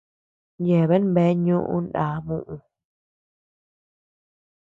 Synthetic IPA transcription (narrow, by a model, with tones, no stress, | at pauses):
je˨βe˦nbe˨˦ɲũ˦ʔṵ̃˦nda˨˦mũ˦ʔũ˧